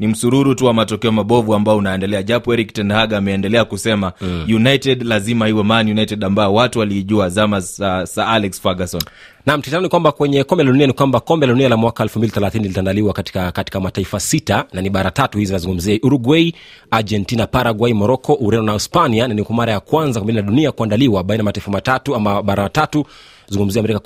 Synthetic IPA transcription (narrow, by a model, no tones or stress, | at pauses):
nim̩suɾuɾutuwamatɔkɛɔmaɓɔvuambaɔunaɛndɛlɛaʄapɔɛɾiktɛndahaɡaːmɛːndɛlɛakusɛmajunajtɛdlazimahiwɛmaːnijunaitɛɗambaɔwatuwaliʄuazamasaalɛksfaɡasɔn | nam̩tizanɔnikwambakwɛɲɛkɔmbɛlaɗunianikwambakɔmbɛlaɗunialamwakaɛlfumbiliθɛlaθinilitandaliwakatakati̥kamataifasitananiɓaɾatatuhizizinazuŋɡum̩ziaʔuɾuɡwɛi | ad͡ʒɛntinapaɾaɡwaimɔɾɔkɔʔuɾɛndɔnaispaniananikwamaɾajakwanzakambininaɗuniakuandaliwaɓainamataifamatatuamaɓaɾamatatu | zuŋɡum̩ziamɛɾika